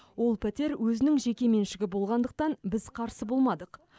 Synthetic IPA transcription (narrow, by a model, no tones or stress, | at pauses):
wo̞lˠpʰæt̪e̞ɾwʔɵzɪnɪŋʒe̞kʲe̞me̞nʃɪɡʲɪbo̞lˠʁɑnd̪əq̚t̪ɑnbɪzqʰɑɾsəbo̞lˠmɑd̪əq